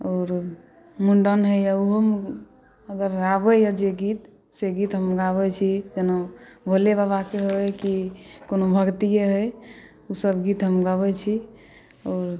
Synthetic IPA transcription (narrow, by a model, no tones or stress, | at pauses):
ɔːɾ | muɳɖənɦəjauɦəm | əɡəɾɡabɛjəd͡ʒeɡit̪ | seɡit̪ɦəmɡaβɛt͡ʃʰid͡ʒenabʱolebabakeɦokikonobʱəɡt̪ieɦəj | usəbɡit̪ɦəmɡaβɛt͡ʃʰi | ɔːɾ